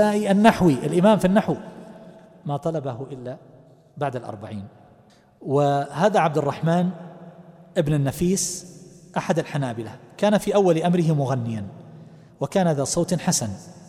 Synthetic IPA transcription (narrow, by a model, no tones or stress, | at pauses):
aːʔiʔanːaħwiʔɪlʔɪmaːmfinːaħw | mat̪ˤɑlɑbaɦʊʔɪlːa | baʕd̪alʔɑ̰ɾˤba̰ʕiːn | wɪɦaːðaʕab̚d̪ɪrˤːɑħmaːn | ʔɪbnɪnːafiːsʔaħad̪alħanaːbɪlakaːnafiːʔawːalɪʔamɾɪɦɪmʊɣanːɪjan | wɪkaːnaðaːsˤoːt̪ħasan